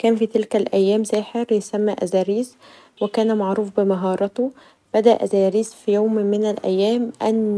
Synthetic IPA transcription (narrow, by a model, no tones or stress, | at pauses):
kæːnfiːt̪ɪlkælʔæjːæːmsæːħeɾjesæmːæʔæ̰zæːɾiːz | wɪkæːnæmaʕɾuːfbɪmɑɦɑːɾˤɑt̪o | b̥æd̪æʔæzæːɾiːsfijoːmmɪnælʔæ̰jːæːmʔæn